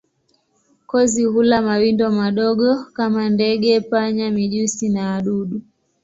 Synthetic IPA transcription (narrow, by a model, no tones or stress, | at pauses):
kɔzihulamawindɔmaɗɔɡɔkamandɛɡɛpaɲamiʄusinaːɗuɗu